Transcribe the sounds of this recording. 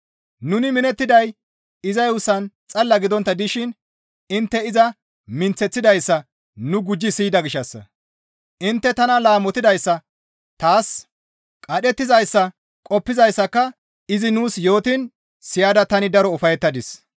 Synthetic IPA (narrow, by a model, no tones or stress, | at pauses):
nʊnɪmɪnɛt̪ːɪd̪ɐj | ɪzɐjwʊsɐnt͡sʼɐlːɐɡɪd̪ɔnt̪ːɐd̪ɪʃɪn | ɪnt̪ːɛɪzɐ | mɪnt͡sːɛt͡sːɪd̪ɐjsːɐ | nʊɡʊd͡ʒːɪsiːd̪ɐɡɪʃɐsːɐ̰ | ʔɪnt̪ːɛt̪ɐnɐlaːmɔt̪ɪd̪ɐjsːɐ | t̪aːs | kʼɐɗɛt̪ːɪzɐjsːɐ | kʼɔpːɪzɐjsːɐkːɐ | ɪzɪnuːsjo̞ːt̪ɪn | sɪjaːd̪ɐt̪ɐnɪd̪ɐɾɔʊfɐjɛt̪ːɐd̪ɪs